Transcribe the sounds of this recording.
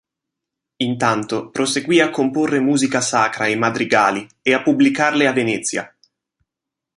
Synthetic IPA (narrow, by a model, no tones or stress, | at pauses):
int̪ant̪opɾoseɡwiːakːomporːemuːzikasaːkɾaejmad̪ɾiɡaːli | eapːubːlikarleavːenɛt̪sːja̰